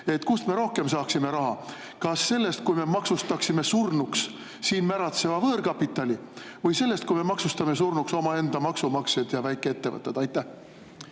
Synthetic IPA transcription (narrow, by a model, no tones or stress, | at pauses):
e̞t̪ːˑkusme̞ɾo̞hke̞msɑːksime̞ɾɑɦɑ | kɑsːe̞lːe̞st̪̚kujme̞mɑksust̪ɑksime̞surnuks | siːnmæɾɑt̪se̞vɑvɤːɾkɑpːˑit̪ːˑɑlʲi | vɯjse̞lːe̞st̪̚kujme̞mɑksust̪ɑme̞s̬urnukso̞mɑe̞nd̪ɑmɑksumɑksjed̪̥jɑvæjkːˑe̞e̞t̪ːe̞vɤ̰t̪ːˑed̪̥ɑjt̪ːˑæh